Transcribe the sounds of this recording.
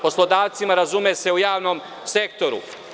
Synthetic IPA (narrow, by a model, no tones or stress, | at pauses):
po̞slˠo̞d̪aːʋt̪simaɾazumese̞ujaːʋnom | se̞k̚t̪o̞ɾṵ